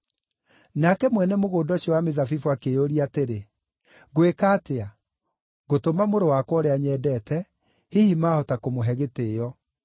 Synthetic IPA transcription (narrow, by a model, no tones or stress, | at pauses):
nakɛmwɛnɛmoɣoːdɔɕiɔwameðafifuakejoɾiateɾe | ɣwekaːtea | ɣotomamoɾowakwɔɾeaɲɛːdɛtʰɛ | hihimahɔtakomoɦɛɣeteːjɔ